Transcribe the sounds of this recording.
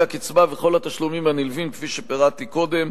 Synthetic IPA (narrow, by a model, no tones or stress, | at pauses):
akit͡sbaveχo̞lat̪aʃlumimanilvimkfiʃepeʁat̪iko̞d̪e̞m